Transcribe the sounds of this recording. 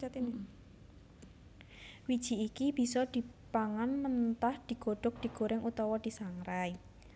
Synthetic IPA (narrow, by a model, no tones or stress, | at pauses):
at̪in | wid̥ʒ̥i̤ikib̥i̤sɔd̪̥i̤paŋanmənt̪ahd̪̥i̤ɡ̥o̤ɖ̥ʊk̚d̪̥i̤ɡ̥oɾɪŋʔut̪ɔwɔd̪̥i̤saŋɾaj